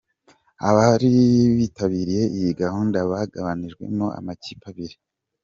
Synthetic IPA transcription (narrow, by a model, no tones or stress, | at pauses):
aβaɾiβiːtaβiːɾije̞ʔijiɡahuːndaβaɡaβaniʒɡwe̞̰moʔa̰macipʰaβiɾi